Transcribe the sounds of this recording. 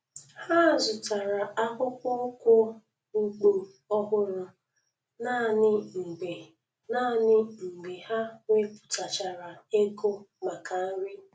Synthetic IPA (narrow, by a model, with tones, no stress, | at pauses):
ha˦˨zʊ˨ta˨ɾa˨a˦ɦʊ˦kʊ˦kʷʊ˦ | u˦ɡ͡bo˨ | ɔ˦ɦʊ˦ɾʊ˦ | naː˦˨nɪ˦ŋ͡m̩˨ɡ͡be˨ | na˦˨nɪ˦ŋ͡m̩˨ɡ͡be˨ha˦ŋe˦pʊ̥˨ta˨t͡ʃa˨ɾa˨e˦ɡo˦ma˨ka˨˦ɾɪ˦